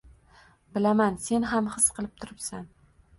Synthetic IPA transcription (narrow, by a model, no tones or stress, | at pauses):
bɪlamanse̞nɦamhɨsqɨlˠɪp̚t̪ʰʊɾɪpsan